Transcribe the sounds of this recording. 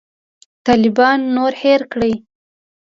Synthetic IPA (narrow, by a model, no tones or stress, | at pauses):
t̪ɑlɪbɑnːoɾheɾkɽəj